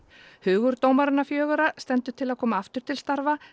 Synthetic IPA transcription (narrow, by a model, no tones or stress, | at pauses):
hʏːɣʏɾt̪oːwmaɾɪnːafjœːɣʏɾast̪ɛnt̪ʏ̥t̪ʰɪlaðkʰɔːmaaft̪ʏɾ̥t̪ʰɪlst̪aɾva